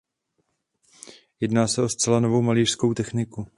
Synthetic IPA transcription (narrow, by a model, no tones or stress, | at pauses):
jɛdnaːsɛo̞st͡sɛlanovo̞wmaliːr̥sko̞wt̪ɛxnɪku